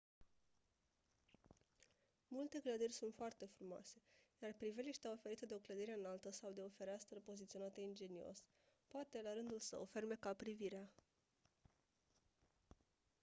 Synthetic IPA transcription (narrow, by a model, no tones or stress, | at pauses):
mult̪e̞kləd̪irʲsunt̪foart̪e̞fɾumoa̰se̞jarpɾiveliʃt̪aofe̞ɾit̪d̪eo̞kləd̪iɾe̞ɨnalt̪əsawd̪e̞o̞fe̞ɾeast̪ɾəpo̞zit̪sio̞nat̪eind͡ʒe̞nio̞̰s | poat̪e̞laɾɨnd̪ulsə̰wferme̞kapɾiviɾea